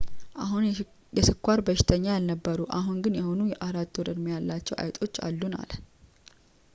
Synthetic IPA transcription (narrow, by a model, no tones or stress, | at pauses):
ʔaɦun | jɛsɨkʷːaɾbəʃɪ̥t̪ʰəɲːajalnəbːəɾuʔaɦunɡɨnjɛho̞nujɛʔaɾat̪ːoɾɨd̪mjalːat͡ʃːɛwʔa̰jt̪ʼo̞t͡ʃːa̰lːuna̰l